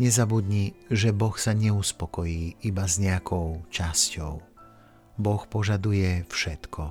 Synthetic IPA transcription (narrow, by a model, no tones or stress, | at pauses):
ɲɛzabud̪ɲiʒɛbɔxsaɲɛuspɔkɔjiːibazɲɛakʰɔʊt͡ʃascɔʊ | bɔxpɔʒad̪ujɛfʃɛt̪kʰɔ